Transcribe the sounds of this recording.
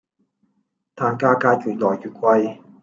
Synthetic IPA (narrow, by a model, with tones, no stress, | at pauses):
t̪ʰaː˧˩ŋkaː˧kaː˧t͡ɕu˨˩t̪̚lɔː˨˩jjuː˨˩kwa˧j